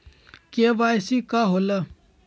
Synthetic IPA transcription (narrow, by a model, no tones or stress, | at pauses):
keʋaːjsikaɦola